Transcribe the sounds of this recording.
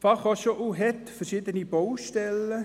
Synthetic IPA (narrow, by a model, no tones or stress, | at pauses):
fɑχɔʃoʔuɦɛt̪fəɾʃɪd̪ənib̥ɔwʃtɛlːə